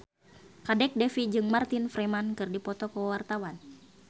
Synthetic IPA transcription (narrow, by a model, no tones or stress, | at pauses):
kadɛk̚dɛfid͡ʒɨŋmart̪infɾemankɨrdipɔt̪ɔkəwart̪awan